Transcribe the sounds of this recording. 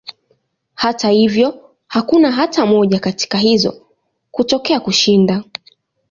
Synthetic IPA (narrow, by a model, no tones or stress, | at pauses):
hatahivjɔ | hakunaɦatamɔʄakati̥kaɦizɔ̰ | kutɔkɛakuʃinda